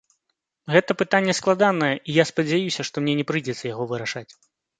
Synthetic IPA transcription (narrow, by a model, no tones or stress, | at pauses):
ɣɛt̪ɐpɨt̪anʲːɛsklˠad̪anɐjɛʔijaspɐd͡zʲajusʲɐʂt̪ɔmnʲɛnʲɛpɾɨd͡zʲɛt̪sɐjaɣɔvɨɾaʂat͡sʲ